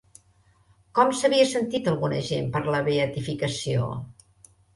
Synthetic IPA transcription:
kɔmsəβiəsənt̪it̪əlˠɣunə̰ʒempəɾləβeət̪ifikəsio̰

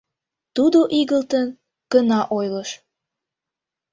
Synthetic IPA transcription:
t̪ud̪oʔiɣəlt̪ən | kənɑʔojləʃ

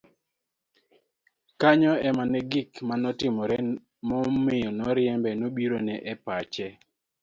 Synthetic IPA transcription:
kaɲɔɛmanɛɡɪkmanɔtɪmɔɾɛ | mɔmɪjɔnɔɾɪjɛmbɛnobiɾonɛʔɛpat͡ʃɛ

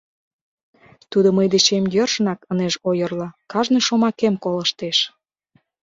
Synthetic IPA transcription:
t̪ud̪oməjd̪et͡ɕemjørʃənɑkəneʃojərlɤ̆kɑʒnejʃomɑkemkoləʃt̪eʃ

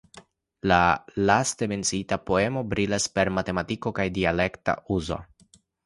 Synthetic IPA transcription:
lalaste̞me̞nt͡siitapo̞e̞mo̞bɾilaspe̞ɾmate̞matiko̞kajdiale̞kta̰uzo̞̰

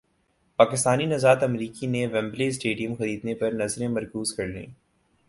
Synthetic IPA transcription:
paːkɪst̪aːninɐzaːt̪ɐmɾiːkineʋɛ̃mbleːsʈeːɖijə̃mxɐɾiːd̪nepɐɾnɐzɾẽmɐɾkuːzkɐɾlḛ̃ː

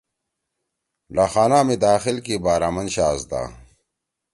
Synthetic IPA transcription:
laxaːnaːmid̪aːxilkibaːɾaːmɐnɕaːzd̪a̰ː

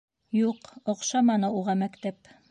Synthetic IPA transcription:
juqŏqʃɑmɑnɤuʁɑmækt̪æp

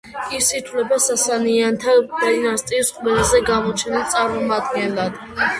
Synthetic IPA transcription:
isit̪ʰvlɛbasasaniant̪ʰabɛnast̪ʼisqʼmɛlazɛɡamɔt͡ʃʰɛnat̪sʼaɾmɔmad̪̚ɡɛnlad̪̥

